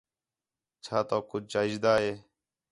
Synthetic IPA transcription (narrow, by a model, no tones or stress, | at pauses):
t͡ʃʰaːt̪õːkʊt͡ʃt͡ʃaːɪd͡ʒd̪aːɦeː